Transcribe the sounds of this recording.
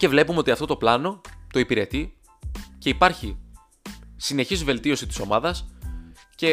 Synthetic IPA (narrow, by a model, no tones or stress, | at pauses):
ce̞vle̞pumeo̞t̪iɐft̪o̞t̪o̞plɐno̞t̪o̞ipiɾe̞t̪i | ce̞ipɐɾçi | sine̞çizve̞lt̪io̞sit̪i̥so̞mɐðɐs | ce̞